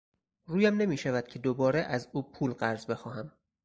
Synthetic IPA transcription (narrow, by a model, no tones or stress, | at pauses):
ruːjæmne̞miːʃævæd̪̥̚cʰe̞d̪obɒːɾeʔæzuːpʰuːlɢæɾzbe̞xɒːɦæm